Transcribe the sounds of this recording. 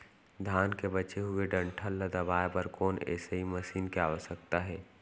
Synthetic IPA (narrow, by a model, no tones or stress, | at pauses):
d̪ʱaːnkebət͡ʃeɦʊeɖə̃ɳʈʰəlːəd̪ɐbaːepəɾkɔːnɛ̰ːseɦimɐʃiːnkeaːʋəʃək̚t̪aɦɛː